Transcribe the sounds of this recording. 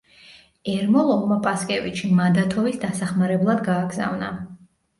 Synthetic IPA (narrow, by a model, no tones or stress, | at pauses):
ɛɾmɔlˠɔlˠmapʼaskʼɛviʃʰimad̪at̪ʰɔvisd̪asaχmaɾɛblˠad̪ɡaːɡza̰vna̰